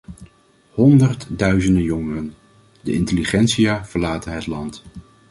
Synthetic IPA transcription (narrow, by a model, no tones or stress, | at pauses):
hɔndərtdœɥzəndəjɔŋərən | dəʔɪntəliχɛntsijaːv̥əɹlaːtənɦətlɑnt